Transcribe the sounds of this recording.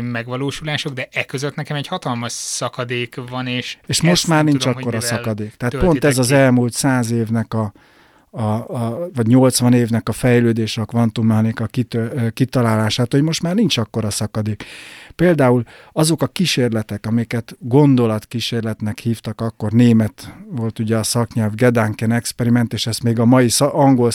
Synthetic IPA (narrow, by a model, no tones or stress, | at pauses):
mɛɡʋɒloːʃulaːʃo̞ɡd̪ɛʔɛkːøzøt̪nɛkɛmɛchɒt̪ɒlmɒʃsɒkɒd̪eːkvɒneːʃeːʃmo̞ʃt̪maːrnint͡ʃɒkkːo̞ɾɒsɒkɒd̪eːkt̪ɛɦaːt̪po̞nt̪ɛzɒzɛlmult̪saːzeːvnɛkɒ | vɒɟɲo̞lt̪sʋɒneːvnɛkɒfɛjløːd̪eːʃɒkʋɒnt̪umɛɦɒnikɒkit̪økit̪ɒlaːlaːʃaːt̪ho̞ɟmo̞ʃt̪maːrnint͡ʃɒkːo̞ɾɒsɒkɒd̪eːkpeːld̪aːul | ɒzo̞kɒkiʃeːrlɛt̪ɛkɒmɛjkɛt̪ɡo̞nd̪o̞lɒt̪kiʃeːrlɛt̪nɛkhiːft̪ɒkɒkːo̞rneːmɛt̪ʋo̞lt̪uɟɛɒsɒkɲɛlvɡɛd̪aːŋkɛnɛkspɛɾimɛnt̪eːʃɛst̪meːɡɒmɒjisʔɒŋɡo̞l